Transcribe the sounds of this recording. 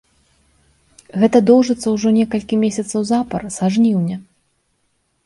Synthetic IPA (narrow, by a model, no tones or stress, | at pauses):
ɣɛt̪ɐd̪ɔwʐɨt̪sːɐwʐɔnʲɛkɐlʲkʲimʲesʲɐt̪sɐwzapɐrsaʐnʲiwnʲɛ